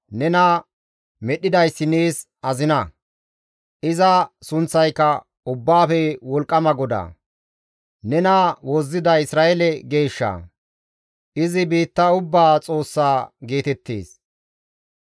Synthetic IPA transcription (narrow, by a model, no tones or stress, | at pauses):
nɛnɐ | mɛɗɪd̪ɐjsːɪneːs | ɐzɪnɐ | ʔɪzɐsʊnt͡sːɐjkːɐ | ʊbːaːfɛwɔlkʼːɐmɐɡɔd̪a̰ | nɛnawɔzːɪd̪ɐɪsɾaːʔɛlɛɡe̞ːʃːɐ̰ | ʔɪzɪbiːt̪ːɐʊbːaːt͡sʼo̞ːsːaːɡe̞ːt̪ɛt̪ːḛːs